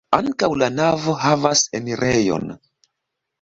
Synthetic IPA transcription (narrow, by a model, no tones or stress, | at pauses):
aŋkawlanavo̞ɦavaseniɾʔejo̰n